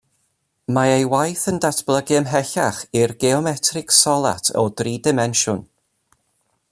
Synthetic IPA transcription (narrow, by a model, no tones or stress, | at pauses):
maejwajθəndatʰb̥lˠəɡɪəmɦɛɬaχirɡɛɔmɛtʰrɪksɔlˠa̰tʰɔ̰driːdɪmɛnʃʊn